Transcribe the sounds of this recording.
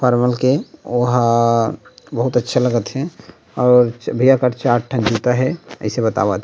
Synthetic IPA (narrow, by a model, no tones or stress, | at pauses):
pʰɔɾməlkeoɦ | bəɦʊt̪ətːʃʰeləɡət̪ɦɛ̃ | ɔːɾt͡ʃbʱijakəɾt͡ʃaːʈʈʰə̃nd͡ʒuːt̪aɦɛə̰ɪsebət̪a̰ʋat̪